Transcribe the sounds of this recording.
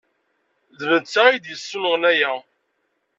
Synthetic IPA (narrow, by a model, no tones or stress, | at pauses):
ðvənt͡sːæid̪jəsːunəʁnæjæ